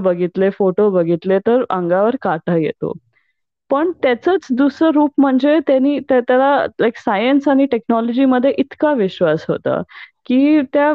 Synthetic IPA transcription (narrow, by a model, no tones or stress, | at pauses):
bəɡʱit̪lefoʈobəɡʱit̪let̪əɾãŋɡaʋəɾkaʈəjḛt̪o̰ | pəɳt̪jat͡sət͡sd̪usɾəɾuːp̚m̤əɳd͡zet̪janiːt̪at̪jalalajksajənsaɽ̃iʈeknɔlɔd͡ʑiːməd̪ʱːjeʔit̪kaʋiɕʋasɦo̰t̪a̰kiːt̪ja